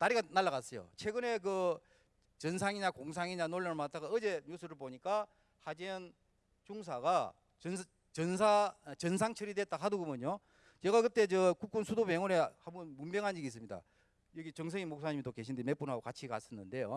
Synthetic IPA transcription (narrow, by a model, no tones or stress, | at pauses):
naɾiɡanaɭːaɣas͈ʌjo̰t͡ɕʰwe̞ɡɯne̞k̬ɯ | t͡ɕʌnsʰaŋiɲakoŋs̬ʰaŋiɲanoɭːanmat͈ʰaɡaɯd͡ʑe̞ɲus͈ɯɾɯɭpoɲik͈a | had͡ʑiʌn | t͡ɕuŋs̬ʰaɡa | n | t͡ɕʌnsʰat͡ɕʌns̬ʰaŋt͡ɕʰɯɾidwet͈aɦadoɡɯmjɯɲo | t͡ɕeɡakɯt͈e̞t͡ɕʌkuk͈unsʰudopeŋonehamnmumbjʌŋɦaniɡiːs̬͈ɯmɲida̰ | jʌɡit͡ɕʌŋs̬ʰʌŋimok̚s͈aɲimidoke̞ɕʰindeme̞p͈unɦaɡokat͡ɕʰika̰s͈ɯnːɯnde̞jo̰